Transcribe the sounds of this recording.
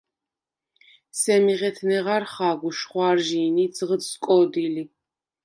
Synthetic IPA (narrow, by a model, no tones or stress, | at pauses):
sɛmiʁɛt̪ʰnɛʁaɾχaːɡuʃχwaɾʒiːnid̪zʁəskʼɔd̪ili